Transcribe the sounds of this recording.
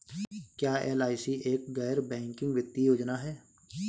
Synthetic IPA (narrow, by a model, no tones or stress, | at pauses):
kjaːeːlaːisiʔeːk̚ɡɛːɾbɛ̃ːŋkɪ̃ŋɡʋɪt̪ːijoːd͡ʒnaɦɛː